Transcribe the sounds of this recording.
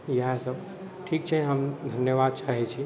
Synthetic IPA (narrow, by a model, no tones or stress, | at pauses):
jɐɦãsəb | ʈʰiːkt͡ʃʰɛɦəmd̪ʱənjəʋaːd̪̚t͡ʃaːɦɛt͡ʃʰi